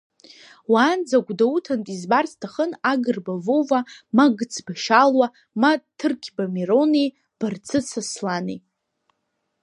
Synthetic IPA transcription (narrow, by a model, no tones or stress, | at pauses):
waːnd͡zaɡʷdautʰantʼizbarstʰaχənaɡɨrbavowvamaɡt͡sʰbaʃalwa | matʰːɨrkʲʰbameɾo̞ne | b̥art͡sʰɨsʰaslanḛ